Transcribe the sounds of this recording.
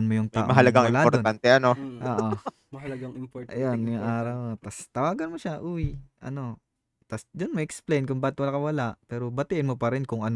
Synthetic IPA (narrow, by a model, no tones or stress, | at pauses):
nmojʊŋt̪aːʔmɐɦɐlɐɡaŋɪlapodɾtoant̪ɛʔɐnoʔoːʔo | mɐhɐɐɡaŋɪpʔɐjonjʊŋʔaːɾɐwot̪ɐst̪ɐwaːɡɐnmoʃaʔʊjʔɐ̰no̞ | t̪ɐsd̪onmɐʔɛksplejnkʊŋbaʔt̪wɐlakɐwɐlaʔpɛːɾobɐt̪ɪʔɪnmopɐɾɪnkʊŋʔɐn